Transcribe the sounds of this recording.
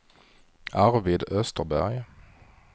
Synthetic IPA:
ʔæʁʋɪːd̪œst̪əʁbæ̰ʁj

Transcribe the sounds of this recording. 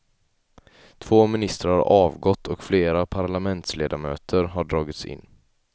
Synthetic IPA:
t̪ʰv̥oːmɪnɪst̪ɾaɾhaɾɑːvɡɔt̪ʰːɔkfleːɾapʰaɾɭamɛnt̪sleːd̪amøːt̪ʰəɾɦaɖɾɑːɡɪt̪sɪ̰nː

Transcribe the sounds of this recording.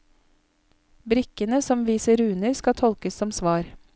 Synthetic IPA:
bɾɪkənəsɔmʋiːsəɾʉːnəɾskɑt̪ʰɔlkəsɔmsʋɑːɾ

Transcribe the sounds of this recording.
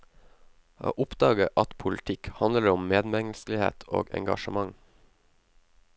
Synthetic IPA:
o̰ːʔʊpd̪ɑːɡəʔɑt̪pʰʊlɪt̪ʰɪkhɑnəɾʊmmeːd̪mɛŋl̩sl̩ɪhḛːt̪ʰo̰ːɡɛ̰ŋɡɑ̰ʃəmɑŋ

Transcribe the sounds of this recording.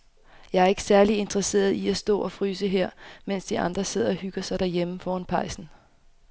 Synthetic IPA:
jɑ̈ɪæɐe̝ɡ̥əsæɐlie̝nd̥ʁɐse̝̰ːɐð̞ˠiæsd̥ɔ̰̽ːɒ̽fʁyːsəɦeɐ̰men̰sd̥iɑ̈nd̥ʁɐse̝ð̞̰ˠɐɒ̽hyɡ̥ɐsɑ̈ɪɾ̥æɐjeməfɒːænpʰɑ̈ɪsn̩

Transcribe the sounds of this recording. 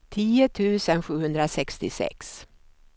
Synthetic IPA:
t̪ʰiːʊt̪ʰʉ̟ːsənɧʉ̟ːhɵnd̪ɾasɛkst̪ɪsɛ̰ks

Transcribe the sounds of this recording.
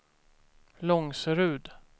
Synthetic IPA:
lɔŋsɾʉ̟ːd̪

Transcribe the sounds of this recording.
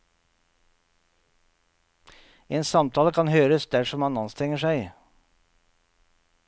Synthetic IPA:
eːnsɑmt̪ʰɑːləkʰɑnhøːɾəsd̪æʂɔmhɑnɑnst̪ʰɾɛŋəʃæɪ

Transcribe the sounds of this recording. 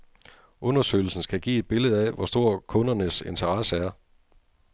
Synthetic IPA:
ʔɔ̽nɐsø̰ɪl̩sn̩sɡ̥æɡ̥ḭːe̝d̥̚b̥e̝ləð̞̩ˠæʋɒsd̥o̝ɐ̰kʰɔ̽nɐnəse̝nt͡sʰɐʁɑsəæɐ

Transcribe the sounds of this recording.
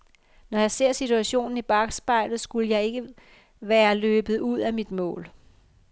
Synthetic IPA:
nɒjɑ̈ɪse̝ɐ̰sit͡sʰuæɕo̝̰ːnn̩ib̥ɑ̈ɡ̥sb̥ɑ̈ɪ̰lð̩ˠsɡ̥uləjɑ̈ɪe̝ɡ̥ə | ʋæːɐløːb̥ð̞̩ˠuð̞̰ˠæmid̥mɔ̰̽ːl

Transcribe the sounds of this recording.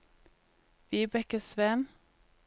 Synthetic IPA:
ʋiːbɛkəsʋɛn

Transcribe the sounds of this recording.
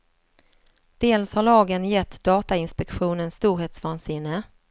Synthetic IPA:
d̪̥eːlshaɭɑːɡənjɛt̪ʰːd̪ɑːt̪aɪnspɛkɧuːnənst̪uːɾheːt̪svɑːnsɪnːə

